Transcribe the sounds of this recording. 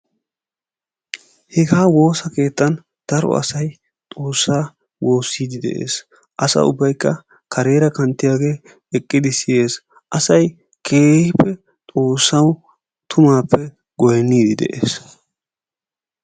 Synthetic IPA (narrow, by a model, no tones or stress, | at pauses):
hɛɡaːwo̞ːsɐke̞ːt̪ːɐn | d̪̥ɐɾɔ̰ɐ̰sɐj | t̪ʼo̞ːsːaː | wo̞ːsːiːd̪ɪd̪ɛ̰ʔe̞̰ːs | ʔɐsɐ̰ʊ̰bːɐjkːɐ | kʰɐɾe̞ːɾɐkɐnt̪ːɪjaːɡe̞ː | ɛkʼːɪd̪ɪsɪje̞ːs | ʔɐsɐj | kʰe̞ːhɪpːɛ | t̪ʼo̞ːsːɐw | t̪ʰʊmaːpːɛ | ɡɔjɛnːiːd̪ɪd̪ɛ̰ʔḛːs